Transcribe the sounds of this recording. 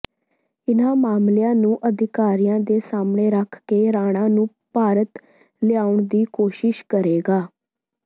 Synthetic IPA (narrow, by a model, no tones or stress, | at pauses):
ɪnãːmaːmljãːnũːʔəd̪ɪkaːɾijãːd̪eːsaːmɳeːɾəkʰkeːɾaːɽ̃ãːnũː | paːɾət̪ | lɪjaːʊɳd̪iːkoːʃɪʃkəɾeːɡaː